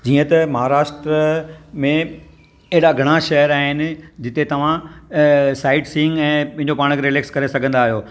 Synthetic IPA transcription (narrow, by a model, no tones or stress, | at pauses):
d͡ʑiːə̃t̪ɐmɐɦaːɾaːʃʈɾəmẽ | ɐɦɪɽaɡʱɐɽ̃aʃɐɦəɾaːɦɪnɪ̆d͡ʑɪt̪et̪ɐʋ̤ã | saːɪʈsĩŋɡɛ̃ːpɐ̃ɦɪ̃ɲd͡ʑopaːɽ̃əkʰɾɪleːkskɐɾesɐɡʱə̃nd̪aːɦijoː